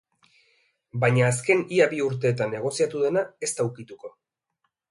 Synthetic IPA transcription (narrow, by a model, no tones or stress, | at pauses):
baɲaːske̞niaβiuɾt̪e̞ːt̪anːe̞ɣ̞o̞siat̪uðe̞nae̞st̪awkit̪uko̞